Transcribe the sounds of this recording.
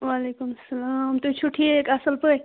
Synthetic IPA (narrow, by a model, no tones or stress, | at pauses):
ʋaːleːkumɐsːɐlamt̪uit͡ʃʰuʈʰːiekaɐsəlpə